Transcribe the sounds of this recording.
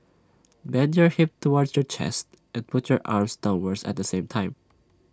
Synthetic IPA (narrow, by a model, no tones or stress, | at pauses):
bɛ̃nd͡ʒəɹhɪp̚tʰːuwɔɹdshəɹt͡ʃʰɛ̰st̪ | ʔɛ̃npʰʊthəɹʔa̰ɹmsdãʊ̃nwəɹdsæ̰t̪̚d̪əsẽɪ̃mtʰãɪ̃m